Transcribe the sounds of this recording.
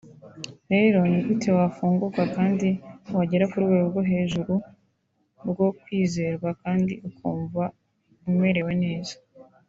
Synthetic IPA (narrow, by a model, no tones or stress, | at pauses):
ɾe̞ːɾo̞niutʰewafuːŋɡuɡwakaːndiwaɟeɾakuɾɡwe̞ːɡoɾɡo̞ɦe̞ːʒuɾu | ɾɡo̞kwiːze̞ɾɡwakaːndḭʔukʰuːɱva | ume̞ɾe̞we̞ne̞ːzḁ